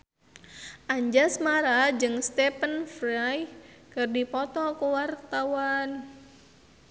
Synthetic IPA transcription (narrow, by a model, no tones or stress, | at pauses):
ʔaɲd͡ʒasmaɾad͡ʒɨŋst̪ɛpənfɾaj | kɨrdipɔt̪ɔkuwart̪awan